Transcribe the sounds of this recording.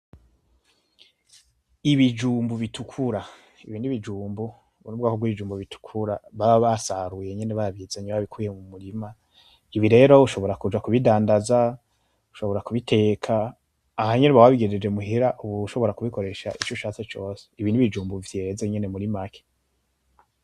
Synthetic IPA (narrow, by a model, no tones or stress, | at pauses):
iβid͡ʒuːmbuβitukʰuɾa | iβiːniβid͡ʒuːmbu | βunubɡakoɡwiβid͡ʒuːmbuβitʰu̥kʰuɾaβaβasaɾuje̞ɲeneβaaβizaɲaβaβikʰuje̞mumuɾima | iβiɾe̞ɾo̞uʃo̞βo̞ɾakud͡ʒwakuβidaːndaza | u̥ʃo̞βo̞ɾakuβitʰe̞ːkʰaː | haɲeneβawaβiɡeed͡ʒemuɦiɾaʔuβuʃo̞βo̞ɾakuβiko̞ɾe̞ʃaʔit͡ʃoʃaːt͡se̞t͡ʃo̞ːse̥iβiːndiβid͡ʒuːmbuvje̞ze̞ɲe̞ne̞muɾimakʰe̥